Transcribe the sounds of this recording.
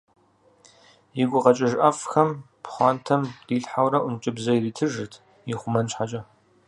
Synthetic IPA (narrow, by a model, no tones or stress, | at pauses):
jɪɡʷʊqɐt͡ʃʼɪʒʔɐfxɐm | pʰχʷɑːntʰɐmriːɬħawɾɐʔʷʊnt͡ʃʼɪbzɐiriːtʰɨʒɨtʰ | jiχʷʊmɐnɕħat͡ʃʼɐ